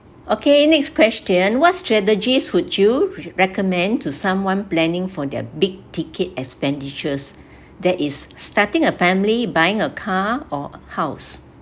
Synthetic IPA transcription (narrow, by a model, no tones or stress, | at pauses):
ʔokenɛkskwɛstə̃nwɔtstɹɛt̬əd͡ʒiswudjuɹɛkəmɛ̃ntʰusãmwãnplɛ̃nɪ̃ŋfɔdɛ̰biɡ̚tikʰət̚ɛkspɛ̃ndit͡ʃəs | dɛʔisːtatĩŋəfɛ̃mlibajĩŋəkʰaɔhaʊs